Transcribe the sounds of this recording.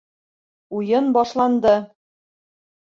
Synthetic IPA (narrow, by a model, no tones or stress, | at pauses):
ujɤnbɒʃlˠɑnd̪ɤ